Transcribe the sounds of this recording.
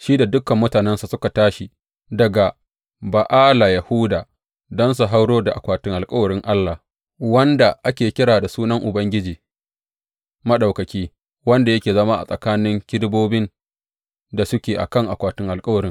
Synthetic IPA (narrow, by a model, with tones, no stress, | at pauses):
ʃiː˦da˨dʊ˦kɐ˨mːʊ˦taː˨nɛ˦nsa˨sʊ˦ka˨taː˦ʃi˨ | dɐ˨ɡa˨ | ba˨ʔaː˦la˨jɐ˨hʊ˦daː˨ | dɔ˦ns̬u˨ɦa˦wɽoː˦da˨ʔa˨kʷaː˨tɪ˦ŋʔa˨lkʼɐ˦wɐ˨ɽɪ˦ŋʔa˦lːa˨ | wɐ˦nda˨ʔa˦kʲeː˨kʲɪ˦ɽaː˨da˨suː˦nɐ˦ŋʔʊ˨bɐ˦ŋɡʲɪ˦d͡ʒiː˨ | mɐ˦ɗa˨wkɐ˨kʲiː˦ | wɐ˦nda˨jɐ˦kʲeː˨zɐ˦maː˦ʔa̰˨sʼɐ˨kaː˦nɪ˦ŋkʲɪ˦ɽboː˦bɪ˦n | da˨sʊ˦kʲeː˨ʔa̰˨kɐ˦ŋʔa˨kʷaː˨tʊ˦ŋʔa˨lkʼɐ˦wɐ˨ɾɪ˦ŋ